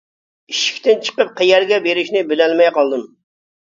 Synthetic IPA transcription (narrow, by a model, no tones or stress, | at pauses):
iʃi̥kʲt̪ɪnt͡ʃʰə̥qəp̚qʰejɛɾɡʲɛbeɾɪʃnɪbɪlɛlmɛjqɑlˠd̪ɨm